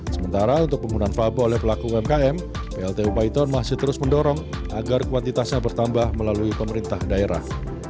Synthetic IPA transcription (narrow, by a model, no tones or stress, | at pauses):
səmənt̪aɾaunt̪ʊk̚pəmunanfabaolɛhpəlakuɛmkaɛm | peɛlt̪eupait̪ɔnmasɪht̪əɾʊsməndɔɾɔŋʔaɡarkuwant̪it̪asɲabərt̪ambahməlaluipəməɾint̪ahdaeɾa̰h